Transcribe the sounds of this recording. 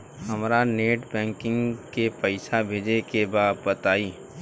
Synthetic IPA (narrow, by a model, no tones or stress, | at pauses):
hɐmɾaneːʈbɛ̃ːŋkɪ̃ŋɡkepɐɪsabʱeːd͡ʒekebaːd̪̚pət̪aːiː